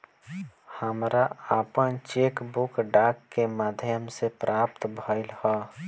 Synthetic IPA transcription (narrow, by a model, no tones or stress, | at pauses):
həmɾaaːpənt͡ʃeːkbʊkɖaːkːemaːd̪ʱjəmsepɾʔaːpt̪bʱaɪlhɔː